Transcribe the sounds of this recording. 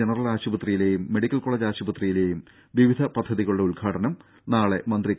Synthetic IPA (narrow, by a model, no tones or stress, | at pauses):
enɐrɐlaːɕubɐt̪rijile̞ːjumːe̞ɽikʲːɐlkoɭeːd͡ʑaːɕubɐt̪rijile̞ːjum | ʋiʋid̪ʱɐpɐd̪ʱːɐðiɣɐɭuɽeulɡʰʱaːʈɐnɐm | naːɭe̞̰mɐnd̪ri